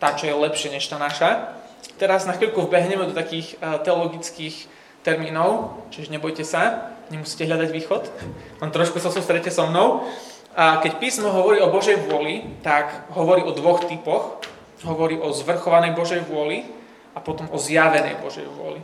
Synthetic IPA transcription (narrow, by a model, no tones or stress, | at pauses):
t̪at͡ʃɔjɛlɛpʃɪɛɲɛʃt̪aːnaʃat̪ɛɾaznafilkuvbɛɦɲɛmɛd̪ɔt̪akiːxt̪ɛɔlɔɡit͡skiːx | t̪ɛɾmiːnɔʊt͡ʃiʒɛɲɛbɔjcɛsaɲɛmusiːcɛɦʎad̪aɟʋiːxɔt̪lɛnt̪ɾɔʃkusasust̪ɾɛcːɛsɔmnɔʊ | kɛcpiːsmɔɦɔʋɔɾiːɔbɔʒɛjʋʊɔlit̪aɡɦɔʋɔɾiːʔɔd̪ʋɔxt̪ipɔx | ɦɔʋɔɾiːʔɔzʋr̩xɔʋanɛjbɔʒɛjʋʊɔli | apɔt̪ɔmʔɔzjaʋɛnɛ̰jbɔ̰ʒɛ̰jʋʊɔ̰lḭ